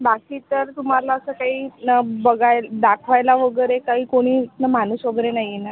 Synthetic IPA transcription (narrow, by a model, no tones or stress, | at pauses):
bakiːt̪əɾt̪um̤alaəsəːkaɦiːbəɡajd̪akʰʋajlaʋəɡəɾekaɦiːkoɽ̃iːt̪nəmanuːsʋəɡɾenaɦjena